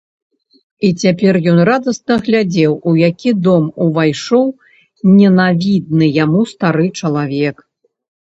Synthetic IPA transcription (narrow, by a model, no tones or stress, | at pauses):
it͡sʲapʲɛrjɔnrad̪ɐsnɐɣlʲad͡zʲɛwujakʲʰid̪ɔmuvajʂɔw | nʲɛnavʲid̪̚nɨjamust̪aɾɨt͡ʂɐlˠavʲɛk